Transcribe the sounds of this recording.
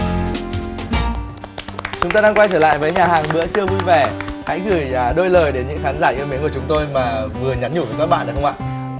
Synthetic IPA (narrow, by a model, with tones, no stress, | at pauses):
t͡ɕʊ˨˦ŋ͡mt̪aː˧aː˧ŋkwa˧jt͡ɕəː˧˩la̰ː˧˨jvəː˨˦jɲaː˨˩haː˨˩ŋmɨ̰˧˥ət͡ɕɨ˧əvu˧jvɛ˧˩ha̰˧˥jɣɨ˧˩jːɗo˧jləː˨˩jɗe˨˦nɲɨ̰˧˥ŋxaː˨˦nzaː˧˩ʔi˧əmi˨˦nku˧˩˨t͡ɕʊ˨˦ŋ͡mt̪o˧jmaː˨˩vɨ˨˩əɲa˨˦mɲu˧˩vəː˨˧˩kaː˦˥k̚ɓa̰˧˨naː˨˩xə˧ŋ͡mʔa̰ː˧˨